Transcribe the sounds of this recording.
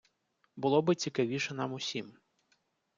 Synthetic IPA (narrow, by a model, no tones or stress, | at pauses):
bʊlˠɔbɪt͡sʲikɐʋʲiʃɛnɑmʊsʲim